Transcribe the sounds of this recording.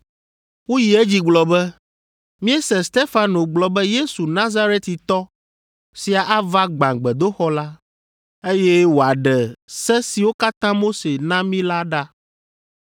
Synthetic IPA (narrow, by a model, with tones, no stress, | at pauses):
wo˦ji˨e˦d͡ʑi˦ɡ͡blɔ˨bɛ˦ | mĩ˦ɛ˦sɛ̃˨st̪e˦fa˨no˨ɡ͡blɔ˨bɛ˦je˦su˨nã˦za˦ɾe˦t̪i˨t̪ɔ˦ | si˨a˨ʔa˦va˦ɡ͡bã˨ɡ͡bɛ˨d̪o˦xɔ˦la˦ | e˦je˦wo˨a˨ɖɛ˨sɛ˦si˨wo˦ka˦t̪ã˦mo˦se˨nã˦mĩ˦la˦ɖa˦